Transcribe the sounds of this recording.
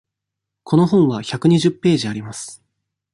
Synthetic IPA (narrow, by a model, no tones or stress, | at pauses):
kʰo̞no̞ɦõ̞ɰ̃βaçakɯ̟ɲ̟iʑɨpːe̞ːʑiaɾʲimasɨ̥